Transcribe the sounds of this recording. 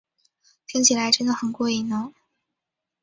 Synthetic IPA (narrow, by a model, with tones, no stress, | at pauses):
t̪ʰi˥ŋt͡ɕʰi˨˩la˧˥ɪʈ͡ʂə˥nd̪ə˨xə˨˩nkwɔ˥˩i˥˩nə˧˥